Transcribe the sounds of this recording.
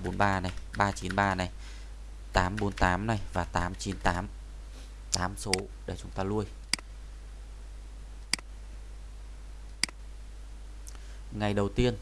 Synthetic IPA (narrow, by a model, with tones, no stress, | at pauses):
ɓo˨˦nɓaː˧na˨˩jɓaː˧t͡ɕi˨˦nɓaː˧na˨˩j | t̪aː˨˦mɓo˨˦nt̪aː˨˦mna˨˩jvaː˨˩t̪aː˨˦mt͡ɕi˨˦nt̪aː˨˦m | t̪aː˨˦mso˨˦ | ɗe˧˩t͡ɕʊ˨˦ŋ͡mt̪aː˧lu˧əj | ŋa˨˩jɗə˨˩wt̪i˧ən